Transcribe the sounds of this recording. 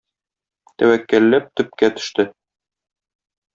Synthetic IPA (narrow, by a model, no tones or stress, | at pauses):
t̪æwækːællːæp̚t̪ɵ̆p̚kæt̪ɵ̥̆ʃt̪ɘ